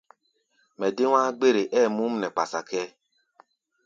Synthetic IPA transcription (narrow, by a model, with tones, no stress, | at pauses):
mɛ˨dɪ˦wʷa˦ɡ͡be˦ɾe˨ʔɛ˦˨mũ˦m̩˦nɛ˨k͡pa˨sa˨kɛ˦